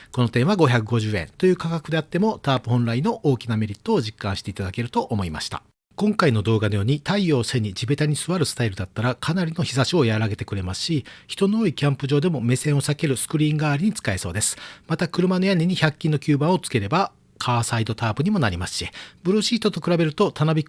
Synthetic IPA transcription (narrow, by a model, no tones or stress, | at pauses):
ko̞no̞t̪ẽ̞ɰ̃βaɡo̞çʲakɯ̟ɡo̞ʑɨːẽ̞̰nt̪o̞jɯ̟ːkakakɯ̟d̪e̞at̪ːe̞mo̞t̪aːpɯ̟hõ̞nɾaino̞ʔoːkʲinameɾʲit̪ːo̞ːʑikːã̰ɰ̃ɕi̥t̪e̞it̪ad̪ake̞ɾɯ̟t̪o̞ʔːmo̞ima̰ɕi̥t̪a̰ | kõ̞ŋkaino̞d̪o̞ːɡano̞jo̞ːɲ̟it̪aijo̞ːse̞ɲ̟id͡ʑibe̞t̪aɲ̟isɨβaɾɯ̟sɨ̥t̪aiɾɯ̟d̪at̪ːaɾakʰanaɾʲino̞çisaɕio̞jaɾaɡe̞t̪e̞kɯ̟ɾe̞masɨ̥ɕiçi̥t̪o̞nooːikʲãmpɯ̟ʑo̞ːd̪e̞mo̞me̞sẽ̞ɰ̃o̞sake̞ɾɯ̟sɨ̥kɯ̟ɾʲĩːŋɡaːɾʲiɲ̟it͡sɨ̥kae̞so̞ːd̪e̞sɨ̥mat̪akɯ̟ɾɯ̟mano̞jaɲʲiɲ̟içakʲːĩno̞kʲɨːbãɰ̃o̞t͡sɨ̥ke̞ɾe̞ba | kʰaːsaid̪o̞t̪aːpɯ̟ɲ̟imo̞naɾʲimasɨ̥ɕib̥ɯ̟ɾoɕiːt̪ːo̞t̪o̞kɯ̟ɾabe̞ɾɯ̟t̪o̞t̪anobʲi